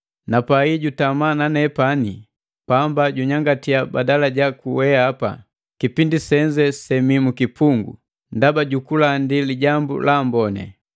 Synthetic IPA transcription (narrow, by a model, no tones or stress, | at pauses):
napaiɟutamananɛpani | pambaɟuɲaŋɡatiabadalaɟakuwɛaːpa̰ | kipindisɛɲd͡ʒɛsɛmimukipuŋɡṵ | ndabaɟukulandiliɟambṵlambɔnɛ̰